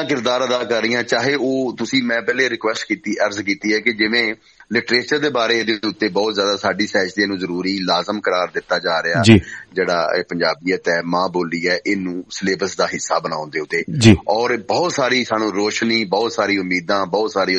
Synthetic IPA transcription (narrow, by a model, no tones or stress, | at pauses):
ãːkɪɾd̪aːɾəd̪aːkəɾːiːãːt͡ʃaːɦeːoːt̪ʊsĩːmɛ̃ːpɛːleːɾɪkʋɛːsʈkiːt̪iːʔəɾzkiːt̪iːɦɛːkɪd͡ʒɪʋẽː | lɪʈɾeːt͡ʃəɾd̪eːbaːɾeːd̪eːʊt̪ːeːbɔːt̪zjaːd̪aːsaːɖiːsɛːɦt͡ʃt̪eːnũːzəɾuːɾiːlaːzəmkəɾaːɾd̪ɪt̪ːaːd͡ʒaːɾɪaːd͡ʒiːd͡ʒeːɽa̰ːeːpəɲd͡ʒaːbiːɛːt̪ɛːmãːboːliːɛːʔɪnũːsleːbəsd̪aːɦɪsːaːbənã̰ːʊ̃nd̪eːʊt̪ːeːd͡ʒiɔːɾbɔːt̪saːɾiːsaːnũːɾoːʃniːbɔːt̪saːɾiːʊmːiːd̪ãːbɔːt̪saːɾiː